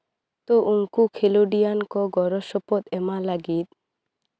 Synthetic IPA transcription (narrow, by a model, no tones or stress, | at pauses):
t̪oʔuŋkukʰeloɖijankɔɡɔɾɔʃɔpɔt̪ɛmalaɡit̪̚